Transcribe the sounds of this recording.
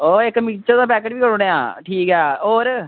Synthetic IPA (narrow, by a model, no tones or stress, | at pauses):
oːɪkːmiːt͡ʃəɾd̪aːpɛːk̬eːʈʋiːkəɾoɽejaːʈʰiːkɦɛːoːɾ